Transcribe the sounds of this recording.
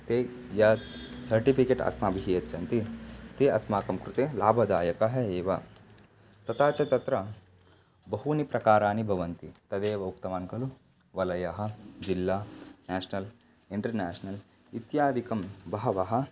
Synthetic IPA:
t̪eː | jɐt̪sɐɾʈipikeːʈɐ̰smɐbʱiɦijɐt̪ːt͡ʃɐnt̪it̪eːɐsmaːkɐmkɾut̪eːlaːbʱɐd̪aːjɐkɐɦɐeːʋɐ | t̪ɐt̪aːt͡ʃɐt̪ɐt̪ɾɐ | bɐɦunipɾɐkaːɾaːnibʱɐʋɐnt̪it̪ɐd̪eːʋɐuk̚t̪ɐmaːnkɐlu | ʋɐlɐjɐɦɐ̆d͡ʒilːaːnaːʃnɐl | iɳʈɐɾnaːsnɐl | it̪jaːd̪ʱikɐmbɐɦɐʋɐɦɐ̆

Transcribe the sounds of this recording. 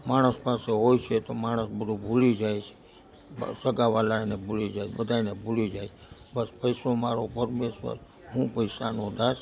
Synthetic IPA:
maɽ̃əspaseɦojt͡ʃʰet̪omaɽ̃əsbəd̪ʱubʱulid͡ʒajt͡ʃʰe̥ | səɡaʋalanebʱulid͡ʒajt͡ʃʰbəd̪ʱanebʱulid͡ʒajt͡ʃʰbəspəisomaɾopəɾmesʋə̰ɾ | ɦũpəjsanod̪as

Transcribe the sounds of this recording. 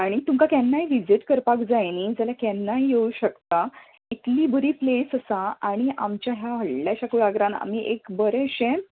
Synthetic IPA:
aɽ̃it̪umkakanːaɦiʋid͡ziʈkəɾpakd͡zajniːd͡zalakɛnːaɦijeuɕəkt̪a | it̪liːbəɾiːplesəsaaɽ̃iʔamt͡ɕjaɦjaʋəɽljaɕakuɭaɡɾãna̰m̤iʔekbəɾeɕẽ

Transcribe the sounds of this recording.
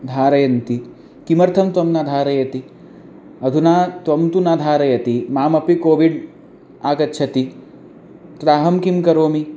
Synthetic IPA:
d̪ʱaːɾɐjɐnt̪i | kimɐɾt̪ʰɐmt̪ʋɐmnad̪ʱaːɾɐjɐt̪i | ɐd̪ʱunaːt̪ʋɐmt̪unad̪ʱaːɾɐjɐt̪imaːmɐpikoːʋiɖ | aːkɐtːʃʰɐt̪i | t̪ɾaːɦɐmkimkɐɾoːmi

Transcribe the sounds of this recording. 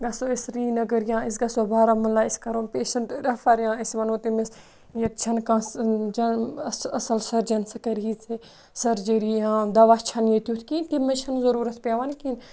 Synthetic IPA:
ɡɐsoːisɾiːnɐɡəɾjãːis̬ɡɐsobaːɾamɐlaːiskɐɾoːnpeːʃɐɳʈɾɐfɐɾjãːɐsʋɐnoːt̪imes | jɐt̪t͡ʃʰɐnkãːsd͡ʒɐsɐsɐlsɐɾd͡ʒɐnsɐkɐɾiːt͡se | sɐɾd͡ʒiɾiːjãːd̪ɐʋat͡ʃʰɐnjeːt̪jut̪ʰkint̪imɐt͡ʃʰɐnzɐɾuːɾɐt̪ʰpʲaʋankin

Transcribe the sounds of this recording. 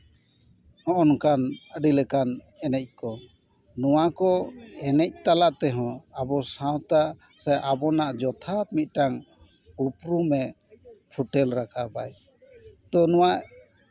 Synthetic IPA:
ɔ̃ʔɔnkanəɖilɛkan | ɛnɛc̚ˀkɔ | nɔwakɔɛnɛc̚t̪alaʔt̪ɛɦɔ̃abɔsãwt̪a | saʔabɔnaʔd͡ʒɔt̪ʰat̪̚mit̪̚ˀʈaŋ | upɾumɛ | pʰuʈɛlɾakabaj | t̪ɔnɔwaʔ

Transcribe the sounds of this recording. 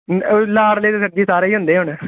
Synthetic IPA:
laːɽləːt̪eːsəʈ̚d͡ʒiːsaːɾeːiːɦʊ̃nd̪eːɦʊɳː

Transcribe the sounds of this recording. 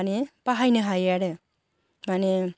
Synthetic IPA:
nepaɦajnɯɦajaɾe | mane

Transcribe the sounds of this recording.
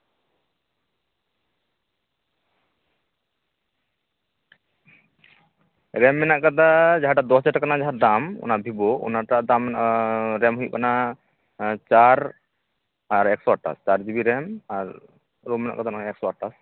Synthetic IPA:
ɾɛmːɛnaʔkad̪ad͡ʒaɦaʈad̪ɔɦɔt͡ʃaʈakanad͡ʒaɦaɾd̪amɔ̰nabʱibɔɔ̰naʈad̪am | ɾɛmɦujʔkana | t͡ʃaɾ | aɾɛksɔaʈːa̰st͡ʃaɾd͡ʒibiɾɛmaɾ | ɾomːɛna̰ʔkad̪ʰanaaɛksɔaʈːas

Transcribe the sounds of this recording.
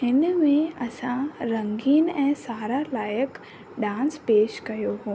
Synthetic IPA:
ɦɪnmẽɐsãɾɐ̃ŋɡiːnɛ̃ːsaːɾalaːjək | ɖãːnspeːʃkɐjoɦoː

